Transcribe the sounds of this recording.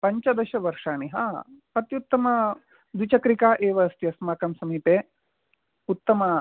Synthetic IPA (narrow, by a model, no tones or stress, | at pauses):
pɐɲt͡ʃɐd̪ɐʃɐʋɐɾʂaːɳiɦa̰ːpɐt̪jut̪ːɐmɐ | d̪ut͡ʃɐkɾikaːʔeːʋɐːst̪jɐsmaːkɐmsɐmiːpeː | ut̪ːɐmɐ